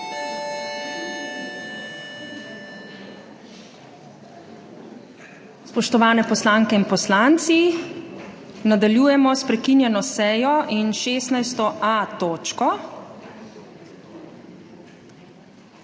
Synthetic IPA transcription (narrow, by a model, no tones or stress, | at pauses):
spɔʃt̪ɔʋaːnɛpɔslaːŋkɛinpɔslaːnt̪si | nad̪aljuːjɛmɔspɾɛkinjɛnɔsɛːjɔʔinʃeːst̪najst̪ɔʔat̪oːt͡ʃkɔ